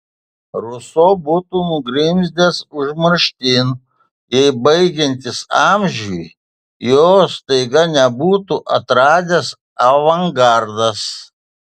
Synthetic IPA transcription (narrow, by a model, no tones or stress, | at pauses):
ɾʊsoːbʊt̪unʊɡɾʲɪmʲzʲd̪ʲeːsʊʒmɐɾʃʲt̪ʲin | jɛɪbɐɪɡʲɛnʲt̪ʲɪsɑːmʲʒʲuj | joːst̪ɐɪɡɐnʲɛbuːt̪uʔɐt̪ɾɑːd̪ʲes | ɐʋɐŋɡɑːɾd̪ɐs